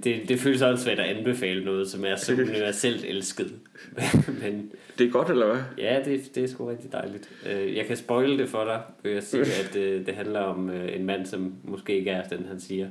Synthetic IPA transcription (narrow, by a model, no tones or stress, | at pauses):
d̥e̝d̥e̝føːləsɒ̽sʋæɐ̰d̥æʔænb̥e̝fɛ̰ːlənɔ̽ːð̞̩ˠsɒ̽mæɐsɒ̽uniʋæɐsel̰d̥elsɡ̥əð̞̩ˠ | mmend̥eɡ̥ɒd̥elɐʋæjæd̥e̝d̥eæɐsɡ̥uʁɛɡ̥̚d̥id̥ɑ̈ɪlid̥øjɑ̈ɪkʰæsb̥ɒ̽ɪləd̥e̝fɒɾ̥ɑ̈ɪʋejasiːæd̥d̥e̝ɦænlɐɒ̽møe̝nmæn̰sɒ̽mmːɒsɡ̥e̝̰ːe̝ɡ̥æɐæfd̥enhænsiːɐ